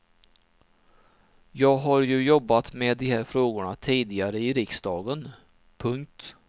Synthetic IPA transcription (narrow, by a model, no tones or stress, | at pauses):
jɑːɡɦaɾjɵjɔbːat̪meːd̪ɪhæɾfɾoːɡʊɳat̪ʰiːd̪ɪɡaɾəɪɾɪksd̪ɑːɡən | pʰɵŋk̚t̪